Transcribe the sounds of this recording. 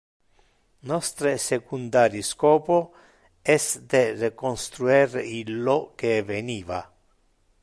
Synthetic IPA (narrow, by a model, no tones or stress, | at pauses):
nɔst̪ɾesekund̪aːɾjiskɔːpo | ɛsd̪erekonst̪ɾuɛrilːɔk̟eveniːva̰